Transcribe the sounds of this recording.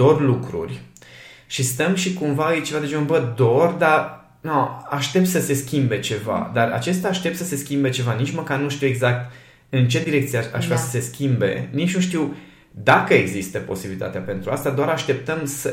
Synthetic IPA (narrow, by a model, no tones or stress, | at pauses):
o̞rlukɾṵrʲ | ʃist̪əmʃikumvaɨjt͡ʃe̞vad̪ed͡ʒeonbəd̪o̞rʲd̪a | noaʃt̪e̞p̚t̪səse̞skʲimbe̞t͡ʃe̞va̰d̪ara̰t͡ʃe̞st̪aːʃt̪e̞p̚t̪səse̞skʲimbe̞t͡ʃe̞vanit͡ʃməkarnuʃt̪iuwe̞ɡzak̚t̪ | ɨnt͡ʃe̞d̪iɾe̞k̚t̪sijaa̰ʒveassəse̞skʲimbe̞̰nit͡ʃnuʃt̪iw | d̪akəeɡzist̪əpo̞̰sibilit̪a̰t̪eape̞nt̪ɾuast̪ad̪oaɾaʃt̪e̞p̚t̪əmsə